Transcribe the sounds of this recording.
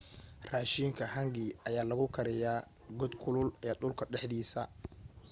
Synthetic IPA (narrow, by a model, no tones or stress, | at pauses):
raːʃiːŋkʰɐɦɐŋɡɪɐjaːlɐɣʊkʰɐɾɪjaː | ɡɔd̪kʰʊlʊlɛɗʊlkʰɐɖɛħd̪iːsɐ